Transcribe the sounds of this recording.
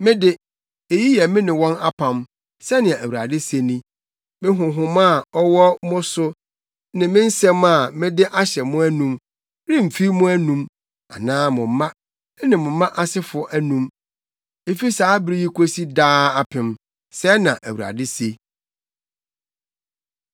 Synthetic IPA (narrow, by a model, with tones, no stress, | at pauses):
mɪ̃˦dɪ˦ | e˨ji˦jɛ˨mɪ̃˦nɪ̃˨wɔ̃˦na˦pʰã˨m | sɛ˦nɪ̃˨a˨æ˨wu˨ɾa̰˨dɪ˦se˦nĩ˦ | mɪ̃˦ɦʊ̃˨ɦʊ̃˨ma˦˨ɔ˦wɔ˦mʊ̃˦sʊ˦ | nɪ̃˨mɪ̃˦n̩˦sɛ̃˦ma˨mɪ̃˦dɪ˦ʔa˦ɕɛ˨mʊ̃˦æ˦nũ˦m | ɾɪ˦m̩˨fi˦mʊ̃˦æ˦nũ˦m | a̰˨nãː˦mʊ̃˨m˨˦mã˦ | nɪ̃˨mʊ̃˨˦mã˦ʔa˦sɪ˦fʊ˨˦ɔ˦ʔæ˦nũ˦m | e˨fi˦saː˨˦bɪ˨ɾi˦ji˦kʷʰo˦si˦daː˦a˨pʰɪ̃˨m | sɛ˦nã˨ʔæ˨wu˨ɾa̰˨dɪ˦se˦